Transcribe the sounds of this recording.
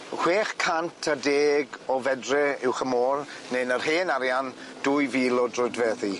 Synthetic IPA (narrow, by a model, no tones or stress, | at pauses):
hw̥eːχkʰantʰədeːɡɔvɛdrɛɪwχəmɔːrnenərɦeːnaɾjan | d̥uːjviːlˠɔdrʊdvɛði